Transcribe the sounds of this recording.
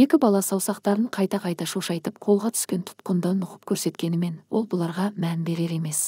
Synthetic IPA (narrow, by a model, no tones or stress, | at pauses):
je̞kʲɪbɑlˠɑsɑwsɑqt̪ɑɾəɴqʰɑjt̪ɑqʰɑjt̪ɑʃoʃɑjt̪əp̚qʰo̞lˠʁɑt̪ʰʏ̥skʲe̞nt̪ʰʊ̥t̪qənd̪ɑnʊqə̥p̚kʲʰɵɾse̞t̪kʲe̞nɪme̞nwo̞lˠbʊlˠɑɾʁɑmænbe̞ɾe̞ɾe̞me̞s